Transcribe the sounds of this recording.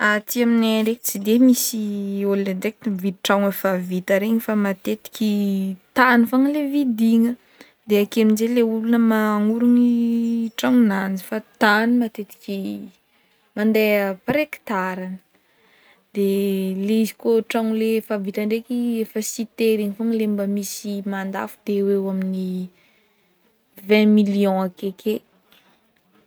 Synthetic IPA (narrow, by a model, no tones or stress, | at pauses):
at̪iamineɳɖ͡ʐeki̥t͡sid̪emisioled̪ek̚t̪ivit̪iʈ͡ʂaŋafavit̪əɾeɲifamat̪et̪i̥kʲit̪anifaŋəlevid̪iŋə | d̪eakiaminzeleulunəmaŋuɾuniʈ͡ʂaŋunand͡ʒifat̪animat̪et̪i̥kʲi | mand̪eəpaɾeki̥t̪aɾanə̥ | d̪̥eleizi̥koʈ͡ʂaŋulefavit̪aɳɖ͡ʐekiefəsit̪eɾiŋifoŋlembəmisimand̪a̰fud̪ewewamini | vɛ̃miliɔ̃akeke